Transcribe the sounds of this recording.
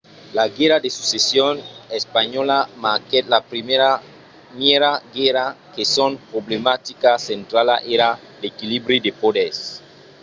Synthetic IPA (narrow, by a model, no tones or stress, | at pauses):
laɡeɾad̪esusesjonespaɲolamaket̪lapɾimeɾa | mjeɾaɡeɾakesonpɾoblemat̪ikasent̪ɾalaʔeɾa | dekilibɾidepodes